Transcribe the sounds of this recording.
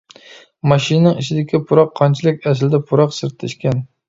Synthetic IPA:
mɑʃɪnnɪŋɪʃʰɪd̪ɪkʲʰɪpʰʊɾɑqʰːɒnt͡ʃʰɪlɪkʲas̬ɪld̪apʰʊɾɒqsɪɾt̪ʰːɪʃkʲan

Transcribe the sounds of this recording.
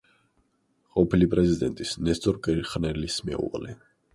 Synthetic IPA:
qʼɔpʰilipʼɾɛzid̪ɛnt̪ʼisnɛst̪ʼɔɾkʼɛɾχnɛlismɛṵva̰lɛ

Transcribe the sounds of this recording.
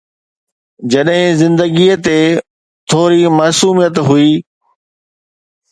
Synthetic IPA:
d͡ʑɐɗɦɪ̃zɪ̃nd̪əɡiːt̪e | t̪ʰoːɾimaːsuːmijət̪ɦʊiː

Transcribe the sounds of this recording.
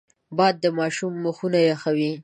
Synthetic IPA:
bɑd̪̚ːəmɑʃumːəxunajexawi

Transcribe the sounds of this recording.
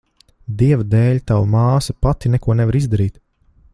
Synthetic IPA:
d̪iɛvd̪ɛːʎʲt̪awmaːsɐpat̪inɛkuɔnɛvaɾizd̪aɾiːt̪

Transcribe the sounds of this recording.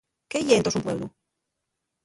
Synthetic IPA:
keʝent̪osumpwe̞βlṵ

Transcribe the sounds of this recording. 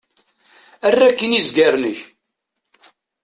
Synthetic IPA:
ærːækːənizɡaɾnəç

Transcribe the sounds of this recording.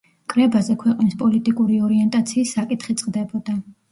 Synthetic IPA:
kʼɾɛbazɛkʰwɛqʼnispʼɔlit̪ʼikʼuɾiɔɾiɛnt̪ʼat̪sʰiːsːakʼit̪ʰχit̪sʼqʼd̪ɛbɔd̪a

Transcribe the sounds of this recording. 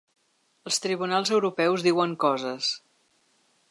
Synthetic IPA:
əlˠst̪ɾiβunalˠzəwɾupɛwzðiwəŋkɔzəs

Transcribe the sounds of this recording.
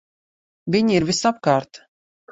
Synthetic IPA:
vʲiɲiɾvisap̚kaːɾt̪

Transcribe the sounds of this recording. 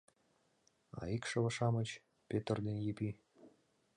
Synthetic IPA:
ɑ̰ikʃɤ̆βə̆ʃɑmət͡ɕ | pʲet̪ərd̪enjepi

